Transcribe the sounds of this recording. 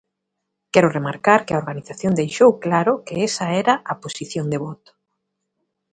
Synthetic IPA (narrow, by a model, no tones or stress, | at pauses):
kɛɾʊremaɾkaɾkɪaoɾɣaniθaθjond̪ejʃowklaɾʊkɪesɐɛɾɐʔaposiθjoŋd̪eβɔt̪ʊ̥